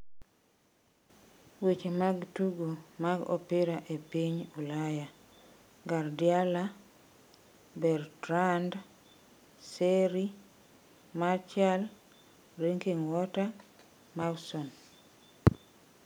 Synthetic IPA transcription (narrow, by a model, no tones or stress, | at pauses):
wet͡ʃemaɡtuɡomaɡɔ̰pɪɾaʔepiɲulaja | ɡardjala | bɛrtɾand | seɾi | mart͡ʃal | ɾeŋkiŋwɔta | mawsɔn